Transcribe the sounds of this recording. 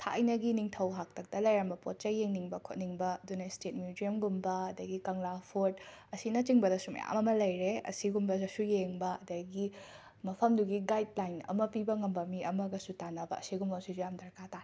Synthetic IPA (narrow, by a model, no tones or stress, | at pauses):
tʰa̰ɐjnɐɡiniŋtʰɐwɦak̚tʰɐk̚tɐlɐjɾɐmbɐpot̚t͡ʃɐjeŋniŋbɐkʰot̚niŋbɐɐdunɐistet̚mjuziɐmɡumbɐɐdɐɡikɐŋlapʰoɾt̚ɐsinɐt͡ʃiŋbɐdɐsumɐ̰ja̰mɐmɐlɐjɾeɐ̰siɡumbɐɐsujeŋbɐɐdɐɡi | mɐpʰɐmduɡiɡajd̚lajnɐ̰mɐpibɐŋɐmbɐmiɐmɐɡɐsutanɐbɐ̰ːsiɡumbɐsuzujamdɐɾkʰataɾe